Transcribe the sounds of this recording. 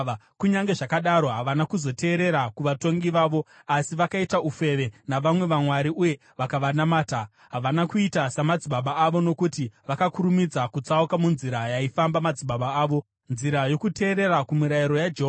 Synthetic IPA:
kuɲaŋɡe̞ʐakaɗaɾo̞ɦaʋanakuzo̞te̞ːɾe̞ɾakuʋato̞ŋɡiʋaːʋo̞ | asiʋakaitaufe̞ʋe̞naʋamwe̞ʋamwaɾiʔuje̞ | ʋakaʋanamaːta | ɦaʋanakuitasamad͡ziɓaɓaːʋo̞no̞kutiʋakakuɾumid͡zakut͡saukamunziɾajaifambamad͡ziɓaɓaaːʋo̞ | nziɾajo̞kute̞ːɾe̞rakumiɾajiɾo̞jad͡ʒeɦo

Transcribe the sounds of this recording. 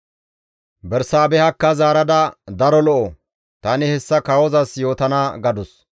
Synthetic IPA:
bɛɾsaːbɛhɐkːɐzaːɾɐd̪ɐd̪ɐɾɔlɔʔɔ | t̪ɐnɪhɛsːɐkɐwɔzɐsjo̞ːt̪ɐnaːɡɐd̪ɔs

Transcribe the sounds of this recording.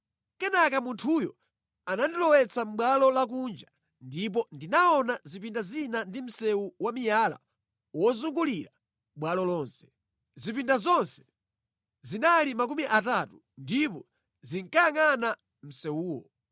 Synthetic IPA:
kɛnakamuntʰujɔ̰ | anandilɔwɛt͡sʰam̩ɓwalɔlak̬und͡ʒa | ndip̬ɔndinaɔnazipindazinandim̩sɛwuwamijala̰ | wɔzuŋɡuliɾa | ɓwalɔlɔːnsɛ̥ | zipindazɔnsɛ̥ | zinalimak̬umiʔatatu | ndipɔ | ziŋkajaŋana | m̩sɛwuːwɔ̰

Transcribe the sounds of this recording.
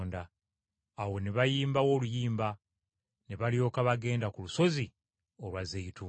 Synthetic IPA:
ndaː | we̞neβajiːmbawo̞ːlujiːmba | neβaljo̞ːkaβaɡe̞ːndakuluso̞zi | olwazeitu

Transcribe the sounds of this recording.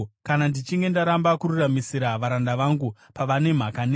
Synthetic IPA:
kanandit͡ʃiŋɡe̞ndaɾambakururamisiɾaʋaɾandaʋaŋɡu | paʋane̞m̤akane

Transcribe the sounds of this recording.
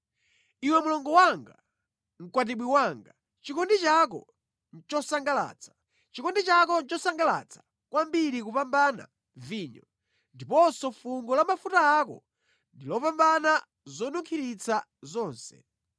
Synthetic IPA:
iwɛmulɔŋɡɔwaŋɡa | ŋ̩kwat̬iɓwiwaŋɡa | t͡ʃikɔndit͡ʃak̬ɔ̰ | t͡ʃɔsaŋɡala̰ːt͡sʰḁ | t͡ʃikɔndit͡ʃak̬ɔnt͡ʃɔsaŋɡala̰t͡sʰḁ | kwambiɾikupambana̰ | viːɲɔ | ndipɔsɔfuŋɡɔlamafutaːkɔ̰ | ndilɔpambana | zɔnuŋkʰiɾit͡sʰa | zɔːnsɛ̰

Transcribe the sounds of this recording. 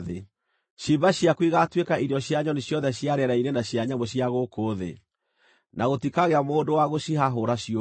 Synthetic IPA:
ðe | ʃibaɕjakwiɣatwekaʔiɾjɔɕjaɲɔneɕjɔðɛɕjaɾɛɾainenaɕjaɲamoɕjaɣokoːðḛ | naɣotikaɣeamoːndowaɣoʃiɦaɦoɾaɕi

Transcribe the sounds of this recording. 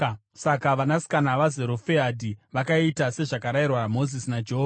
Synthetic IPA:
sakaʋanasi̥kanaʋazeɾofeadʱiʋakaitase̞ʐakaɾairwamo̞zisinad͡ʒeɦov

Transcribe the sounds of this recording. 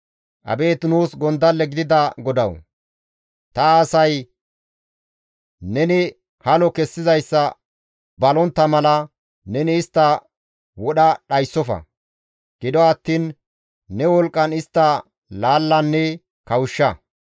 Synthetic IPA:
ʔɐ̰be̞ːt̪nuːsɡɔnd̪ɐlːɛɡɪd̪ɪd̪ɐɡɔd̪ɐw | t̪ɐːsɐj | nɛnɪ | hɐlɔkɛsːɪzɐjsːɐ | bɐlɔnt̪ːɐmɐlɐ | nɛnɪːst̪ːɐ | wɔɗɐɗɐjsːɔfɐ̰ | ɡ̥ɪd̪ɔɐt̪ːiːnː | ɛwɔlkʼːɐnɪst̪ːɐ | laːlːɐnːɛ | kɐwʊʃːɐ

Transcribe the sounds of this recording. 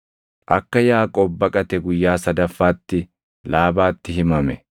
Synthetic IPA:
ʔɐkːɐjaːkʼɔbːɐkʼɐt̪ɛɡʊjːaːsɐd̪ɐfːaːt̪ːɪ | laːbaːt̪ːɪɦɪmɐmɛ̰

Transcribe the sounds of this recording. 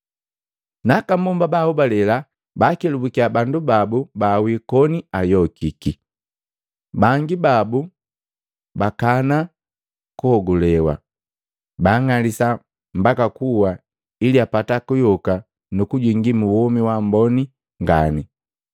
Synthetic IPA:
nakambɔmbabaubalɛla | bakɛlubukiabandubabubawikɔniajɔkiki | baŋɡibabu | bakana | kuhɔɡulɛwa̰ | baːŋalisa | m̩bakakuwa | iliapatakujɔka | nukuɟwiŋɡimuwɔmiwambɔni | ŋɡa̰ni

